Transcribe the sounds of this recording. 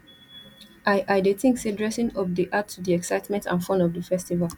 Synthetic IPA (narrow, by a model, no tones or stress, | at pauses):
ʔaɪʔaɪdetɪ̃ŋksidɹɛsĩnɔpdiʔatʰːudiɛksaɪtmɛ̃ntã̰nfɔ̃nɔvdəfɛstivalˠ